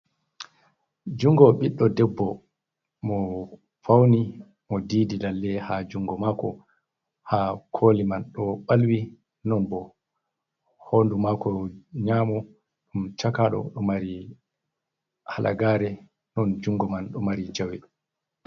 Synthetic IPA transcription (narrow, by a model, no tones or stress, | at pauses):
d͡ʒuŋɡɔɓiɗːɔdɛbːɔ | mɔ | fawni | mɔdiːdilalːɛhad͡ʒuŋɡɔmaːkɔ | hakʰoːlimanɗɔɓalwi | nɔnbɔ | hondumakɔɲaːmɔ | ɗumt͡ʃakaɗɔ̰ɗɔmaɾi | halʔa̰ɡaːɾɛ | nɔnd͡ʒuŋɡɔmanɗɔmaɾid͡ʒawɛ